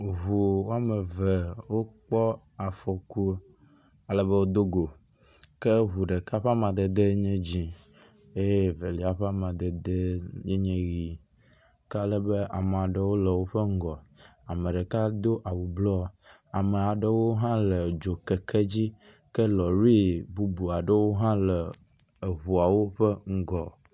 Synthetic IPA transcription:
ɦu˨wo˦a˦˨mɛ˨ve˨wo˦k͡pɔ˦ | a˨fɔ˨ku˦ | a˨lɛ˦be˦wo˦d̪o˦ɡo˨ | kɛ˦ɦu˨ɖɛ˨ka˦ɸa˦mã˨d̪ɛ˨d̪e˦ɲɛ̃˦d͡ʑĩ˨ | e˦jve˨li˨a˨ɸa˦mã˨d̪ɛ˨d̪e˦ɲe˦ɲɛ̃˦ɣi˨ | ka˦lə˦bə˦ʔa˨m˨a˨ɖə˦wo˦lə˨wo˦ɸə˦ŋ̩˦ɡɔ˨a˨mə̃˨ɖə˨ka˦d̪o˦ʔa˨wu˨blɔ˦ | a˨mə˨a˨ɖə˦wo˦ɦã˦lə˨d͡ʒo˨kɛ˨kʰɛ˦d͡ʑi˦ | kə˦lɔ˨ɾi˦bu˦bu˨a˨ɖə˦wo˦ɦã˦lə˨ | ɦu˨a˨wo˦ɸə˦ŋ̩˦ɡɔ˨

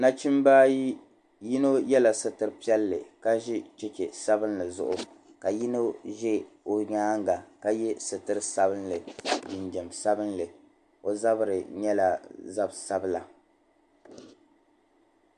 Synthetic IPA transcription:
na˦t͡ʃi˦mbaː˦ji˦ | ji˦no˦jɛ˦la˨sɨ˨tɨ˨ɾɨ˦pi˦ɛ˦lːɨ̰˨ka˦ʒi˦t͡ʃɛ˦t͡ʃɛ˨sa˦bɨ˦nlɨ˨zʊ̰˦ʔʊ˨ | ka˨ji˦no˦ʒɛ˦ | o˨ɲaː˦ŋɡa˨ka˦jɛ˦sɨ˨tɨ˦ɾɨ˦sa˦bɨ˦nlɨ˨ɪ˨nd͡ʒɛ˨msa˦bɨ˦nlɨ˨ | o˨za˦bɨ˦ɾɨ˨ɲɛ˦la˨za˦bsa˦bɨ˦la˨

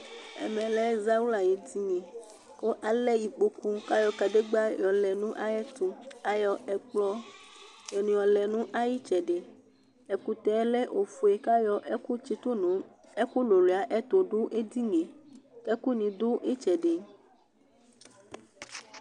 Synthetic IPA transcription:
ɛ̰˨mɛ̃˨lɛ˦za˦wu˦la˨je˨d̪i˦ŋẽ˨ | ko˦ʔa˨lɛ˦ji˨k͡po˦ku˦ka˦jɔ˦ka˨de˦ɡ͡ba˦jɔ˨lɛ˨nũ˦ʔa˦jɛ˦t̪o˨a˨jɔ˨ɛ˨k͡plɔ˦ | jɔ˨nũ˨jɔ˨lɛ˨nũ˦ʔa˦ji˦t͡ʃɛ˨ɖe˨ | e˨ku˨t̪ɛ˨˦lɛ˦ʔo˨fu˨e˨ka˦jɔ˦ku˦t͡ʃi˦t̪o˦nũ˨ | e˦ku˦lo˨le˨a˨˦ʔe˦t̪o˨ɖo˦ʔe˦d̪i˦ŋẽ˨ke˦ku˦nĩ˨d̪o˦ʔe˦t͡ʃɛ˨ɖe˨

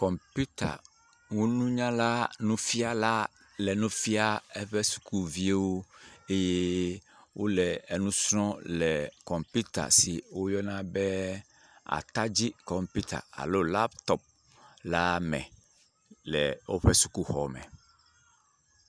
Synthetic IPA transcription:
kɔ˨mpu˦t̪a̰˨ | ŋu˦nũ˦ɲã˦la˦nũ˦fi˦a˨la˦ | lɛ˨nũ˦fi˦a˦ɛ˦ɸɛ˦su̥˨ku˦vi˦e˦wo˦e˦je˦ | wʔo˦lɛ˨ɛ˨nũ˦sɾɔ̃˦lɛ˨kɔ˨mpu˦t̪a̰˨si˨wo˦jɔ˦nã˦bɛ˦ | a̰˨t̪a˦d͡ʑi˦kɔ˨mpu˦t̪a̰˨a̰˨lo˦la˦bt̪ɔ˦p̚ | la˦mɛ̰̃˨ | lɛ˨wo˦ɸɛ˦su˨ku˦xɔ˨mɛ̰̃˨

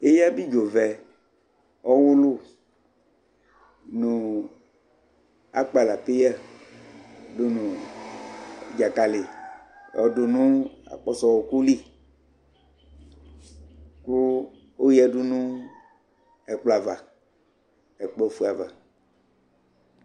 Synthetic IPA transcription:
e˦ja˦bi˦d͡ʒo˨vɛ˨ | ɔ˦wu˦lʊ˦ | nũ˨ | a̰˦k͡pa˨la˨pe˦ja˦ | do˦nũ˨ | d͡ʒa˨ka˨le˨ | ɔ̰˨do˨nũ˦a̰˨k͡pɔ˦sɔ˨wɔ˨ku˦li˦˨ | ku˦ | o˦jɛ˦ɖu˦nũ˦ | ɛ˨k͡pla˨va˨ | ɛ˨k͡pɔ˦˨fu˦a˨va̰˨

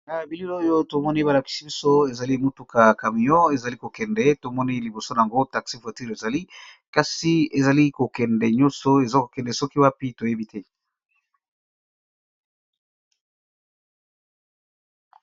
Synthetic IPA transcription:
na˨bi˨li˦lo˦jo˦to˨mɔ˦ni˦ba˨la˨ki̥˨si˦bi˦so˦e˨za˨li˦mu˦tu˨ka˨ka˨mi˨jɔ˦e˨za˨li˦ko˨kɛ˨ndɛ˦to˨mɔ˦ni˦li˨bo˨so˦na˨a˨ŋɡo˦ta˨ksi˦fwa˨ti˦ʁe˨za˨li˦ | ka˨si˦e˨za˨li˦ko˨kɛ˨ndɛ˨ɲɔ˦so˦e˨zo˦ko̥˨kɛ˨ndɛ˨sɔ˦ki˦wa˦pi˦to˨je˦bi˦tʰɛ˦

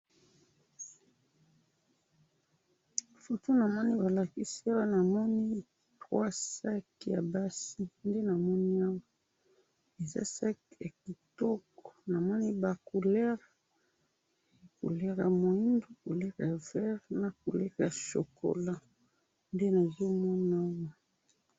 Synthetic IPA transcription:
fo˨to˦na˨mɔ˦ni˦ba˨la˨ki˦si˦a˦wa˦na˨mɔ˦ni˦ | tʁwa˦sa˦kja˨ba˦si˦nde˦na˨mɔ˦ni˦a˦wa˦ | e˨za̰˦sa˦kja˨ki˨tɔ˦kɔ̥˨na˨mɔ˦ni˦ba˨ku˨lɛ˦ʁ | kṵ˨lɛ˦ʁa̰˨mo˨i˦ndo˦ko˨lɛ˦ʁa˨vɛ˦ʁna˨ku˨lɛ˦ka˨ʃo̰˨ko̰˨la˦ | nde˦na˨zo˦mɔ˦n˦a˦wa˦

